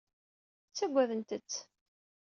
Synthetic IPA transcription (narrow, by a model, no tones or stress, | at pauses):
t͡sːæɡʷːæðənt̪ət͡sː